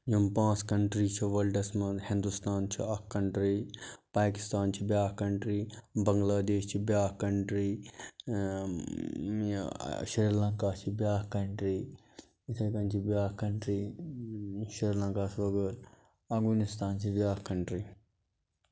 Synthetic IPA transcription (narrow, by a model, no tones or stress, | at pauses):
jumpãːt͡skɐɳʈɾiːt͡ʃʰiʋɐlɖɐsmɐnhĩnd̪ust̪aːnt͡ʃʰiɐkːɐɳʈɾipaːki̥st̪aːnt͡ʃʰibʲjaːhkɐɳʈɾiːbɐŋɡlaːd̪eːʃt͡ʃʰibjaːhkɐɳʈɾiː | ʃɾilɐŋkaːt͡ʃʰibʲjaːhkɐɳʈɾiː | it̪ʰɐkɐnt͡ʃʰibjaːkɐɳʈɾiː | ʃɾiɾlɐ̃ŋkaːsʰʋɐɡəɾ | ɐɡmunist̪aːnt͡ʃʰibjaːhkɐɳʈɾiː